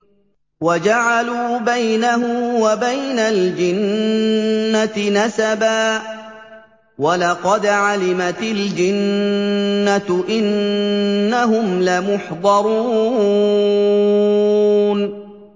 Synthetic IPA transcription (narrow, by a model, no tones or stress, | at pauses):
wad͡ʒaʕaluːbajnahʊmwabajnald͡ʒɪnː | at̪nasabaː | walɑqɑd̪ʕalɪmat̪ɪld͡ʒɪnː | at̪ʔɪnː | aɦʊmlamʊħd̪ˤɑɾˤuː | n